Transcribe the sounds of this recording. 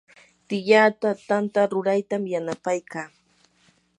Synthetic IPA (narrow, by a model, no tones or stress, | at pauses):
t̪ɪʎaːt̪at̪ant̪aɾʊɾajt̪amjanapajkaː